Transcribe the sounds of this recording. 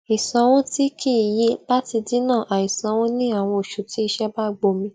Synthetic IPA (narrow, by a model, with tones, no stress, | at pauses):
i˨sã˨˦wũ˦ti˦kʰi˦˨ji˨˦la˦ti˧di˦nã˦˨ʔa˨i˨sã˨˦w̃ɔ̃˦nĩ˦a˦˨w̃ɔ̃˧o˨ʃu˨ti˨˦i˧ʃɛ˦ba˦ɡ͡bo˧mĩ˧